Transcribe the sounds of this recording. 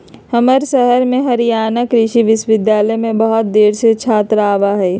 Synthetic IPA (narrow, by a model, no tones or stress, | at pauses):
həməɾsəɦəɾmẽɦəɾijaːnəkɾɪʃiʋɪʃʋɪd̪jaːləjmẽbəɦɔt̪̚d̪eːɾset͡ʃʰaːt̪ɾaːʋaɦɛː